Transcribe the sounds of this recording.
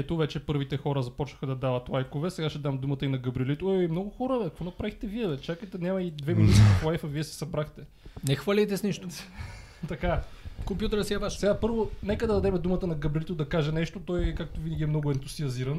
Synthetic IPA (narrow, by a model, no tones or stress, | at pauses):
ɛt̪ovɛt͡ʃɛpɤɾvit̪ɛxɔɾəzɐpɔt͡ʃnəxəd̪ɐd̪avɐt̪lˠajkovɛsɛɡaʃt̪ɛd̪amd̪umət̪əinɐɡɐbɾilit̪oɛimnɔɡʊxɔɾəɐkvɔnɐpɾavixt̪ɛviɛt͡ʃakəjt̪ɛnʲamɐid̪vɛminut̪iiflˠajfɐviɛsɛ̥sɐbɾaxt̪ɛ | nɛxvalʲɛjt̪ɛsniʃt̪o | t̪ɐkafkompʲjut̪əɾəsiabaʃsɛɡapɤɾvonɛkəd̪ɐd̪ɐd̪ɛmɛd̪umət̪ənɐɡɐbɾilit̪ʊd̪ɐkaʒɛnɛʃt̪ot̪ɔjkak̚t̪ʊvinəɡʲiɛmnɔɡʊɛnt̪uziɐziɾɐn